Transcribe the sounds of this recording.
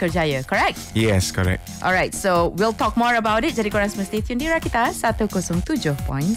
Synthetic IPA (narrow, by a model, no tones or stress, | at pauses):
kəd͡ʒajəkɔɹɛk̚t̚jɛskɔ̰ɹɛ̰k̚ʔɔ̰lɹajt̚sowilˠtɔk̚mɔɹəbawɾɪt̚d͡ʒaɾikoɹãnsməst̪et̪jũndiɹakit̪asat̪ukɔsɔ̃ŋt̪ud͡ʒɔpɔ̰̃j̃nt